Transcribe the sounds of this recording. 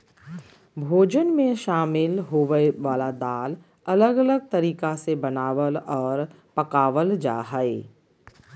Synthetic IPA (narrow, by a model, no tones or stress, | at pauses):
bʱoːd͡ʒənmẽʃaːmɪlɦoːʋəeʋaːlad̪aːl | ɐləɡɐləɡ̚t̪ɐɾiːkasebɐnaːʋəlɔːɾ | pɐkaːʋəld͡ʒa̰ːɦəeː